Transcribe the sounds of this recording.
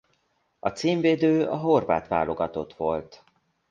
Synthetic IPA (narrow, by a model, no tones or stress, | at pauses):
ɒt̪siːɱveːd̪øːɒɦo̞rva̰ːt̪ʋa̰ːlo̞ɡɒt̪o̞t̪ʋo̞lt̪